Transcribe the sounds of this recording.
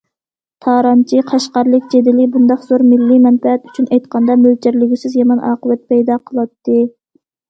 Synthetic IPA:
t̪ʰɑːɾɑnt͡ʃʰiqʰɑʃqɑɾlˠɨkʲd͡ʒed̪ɪlɪbund̪ɑχz̥oɾmɪlːimɛnfɛɛt̪yt͡ʃʰynɛjt̪qʰɑnd̪ɑmølt͡ʃʰɪɾlɪɡʲysɪzjɑmɑnʔɑ̰ːqəvɛt̪̚pʰɛjd̪ɑqʰəlˠɑt̪ːɨ

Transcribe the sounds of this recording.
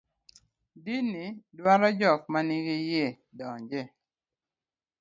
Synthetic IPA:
dinidwaɾɔd͡ʒɔk̚maniɡije | dɔɲd͡ʒɛ

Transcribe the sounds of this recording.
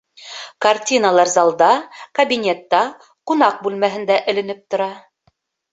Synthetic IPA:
kartʲinəlˠɑɾzɑlˠd̪ɑkɐbʲinʲet̪ːɑ | qunɑq̚bʉlmæɦɘ̆nd̪æʔɘ̆lɘ̆nɘp̚t̪ŏɾɑ

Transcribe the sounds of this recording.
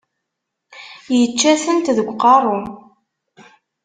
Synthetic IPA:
jət͡ʃːæθənt̪ðəɡʷːqɑrˤo

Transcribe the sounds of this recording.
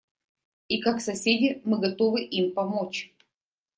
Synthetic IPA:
ikaksɐsʲedʲɪmɨɡɐt̪o̞vɨʔimpɐmot͡ɕ

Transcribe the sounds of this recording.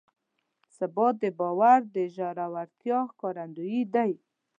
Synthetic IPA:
sabɔt̪̚d̪əbɑwaɾd̪əʒaɾawaɾt̪jɑkɔɾand̪ujid̪aj

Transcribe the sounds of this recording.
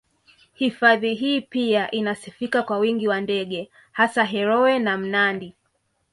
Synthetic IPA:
hifaðiɦiːpiaʔinasifikakwawiŋɡiwandɛɠɛ | hasaɦɛɾɔwɛnam̩nandi

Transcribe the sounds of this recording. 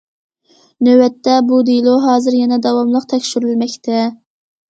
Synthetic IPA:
nøwɛt̪ːɛbud̪ilˠoɦɑːzɨɾjɛnɛd̪ɑwɑmlˠəqt̪ʰɛkʲʃyɾylmɛkʲt̪ʰɛ

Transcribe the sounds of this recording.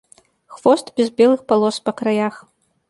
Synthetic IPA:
xvɔst̪bʲɛzbʲɛlˠɨxpalˠɔspɐkɾajax

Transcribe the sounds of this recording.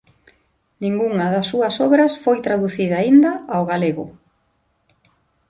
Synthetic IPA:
nĩŋɡuŋɐðɐsːuɐsɔβɾɐsfojt̪ɾaðuθiðɐːind̪ɐawɣaleɣʊ̰

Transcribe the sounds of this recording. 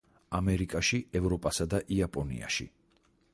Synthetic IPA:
amɛɾikʼaʃiɛvɾɔpʼasad̪aʔiapʼɔnḭa̰ʃḭ

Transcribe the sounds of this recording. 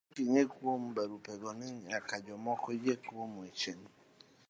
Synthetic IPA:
kiɲekwom̩baɾupɛɡɔnɪakad͡ʒɔmɔkɔid͡ʒekomet͡ʃen

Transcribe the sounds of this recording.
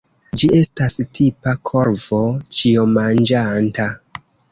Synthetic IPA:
d͡ʒie̞stastʰipakʰo̞ɾv̥o̞t͡ʃiomand͡ʒanta

